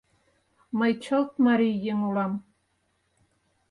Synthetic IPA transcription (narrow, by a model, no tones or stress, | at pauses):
məjt͡ɕɤlˠt̪mɑɾijːeŋulɑm